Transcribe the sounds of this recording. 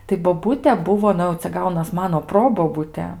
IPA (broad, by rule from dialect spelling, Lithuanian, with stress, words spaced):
tɐɪ boːˈbʊtʲɛ ˈbʊʋoː ˈnʊ jɛʊ t͡sʲɛ ˈɡɐʊnɐs ˈmɑːnoː ˈproːboːbʊtʲɛ